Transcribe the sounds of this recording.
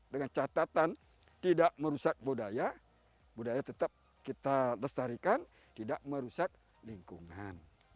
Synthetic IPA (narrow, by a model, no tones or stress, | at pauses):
dəŋant͡ʃat̪at̪an | t̪idaʔməɾusak̚budaja | budajat̪ət̪ap̚ | kit̪aləst̪aɾikan | t̪idaʔməɾusak̚ | liŋkuŋan